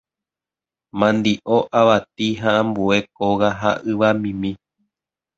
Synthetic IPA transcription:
mãnd̪iʔoʔaʋat̪̚iɦãʔãmbue̞koɣaɦa̰ʔɨʋamĩmĩ

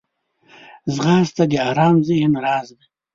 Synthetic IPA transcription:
zʁɑːzt̪ad̪iaːɾɑːmzihnɾɑːzd̪i

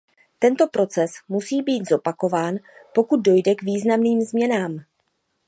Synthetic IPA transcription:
t̪ɛnt̪o̞pɾo̞t͡sɛsmusiːbiːt̪zo̞pako̞vaːnpo̞kud̪̚do̞jdɛɡviːznamniːmzmɲɛnaːm

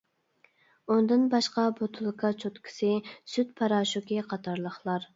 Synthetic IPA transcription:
und̪ɨnbɑʃqɑbot̪ʰulˠkʰɑt͡ʃʰot̪kʰɪ̥sɨsyt̪̚pʰɑɾɑːʃukʲiqʰɑt̪ʰɑɾlˠəχlˠɑɾ

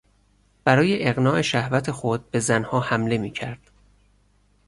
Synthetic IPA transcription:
b̥æɾɒːje̞ʔeɣnɒːʔe̞ʃæhvæt̪ʰe̞xo̞d̪̚be̞zænhɒːhæmle̞miːcʰæɾd̪̥

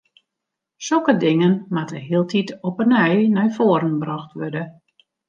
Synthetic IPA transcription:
solˠkədɪŋənmatəɦiəlˠtʰitɔpənɛjnɛjfoəɾənbrɔxtʋørdə

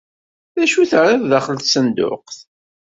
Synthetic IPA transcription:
θæʃuθɾˤiððaχəlθsənd̪ʊ̰qθ

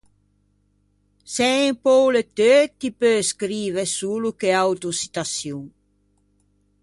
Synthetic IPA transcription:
sɛempɔwlet̪øt̪ipøskɾiːvesuːlukeawt̪usi̥t̪asjuŋ

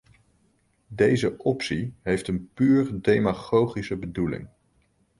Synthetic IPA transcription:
dejzəɔpsiɦejftənpyːɹdejmaχowχisəbədulɪ̰ŋ

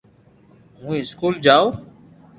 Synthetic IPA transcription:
ɦũːɪskuːld͡ʒaːoː

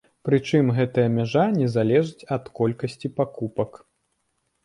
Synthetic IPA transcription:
pɾɨt͡ʂɨmɣɛt̪ɐjɐmʲaʐanʲɛzalʲɛʐɨt͡sʲɐt̪kɔlʲkɐsʲt͡sʲipakupɐk

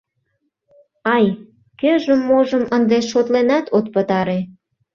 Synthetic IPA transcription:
ɑj | køʒəmːoʒəmənd̪eʃot̪lenɑt̪ʰot̪̚pət̪ɑɾe

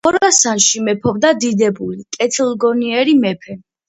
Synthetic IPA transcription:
ɔɾasanʃimɛpʰɔbd̪ad̪id̪ɛbulikʼɛt̪ʰilˠɡɔniɛɾimɛpʰɛ

